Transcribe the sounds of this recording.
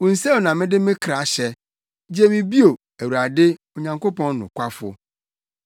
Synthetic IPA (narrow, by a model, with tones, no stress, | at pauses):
wʊ̃˨n̩˨se˦wo˨nã˨mɪ̃˦dɪ˦mɪ̃˦kʰɾa˨ɕɛ˨ | d͡ʑe˦mɪ̃˨bi˦o˨ | æ˨wu˨a˨dɪ˦o˨ɲã˨ŋko˦pɔ̃˦nːʊ̰̃˨kʷa˦fʊ̰˦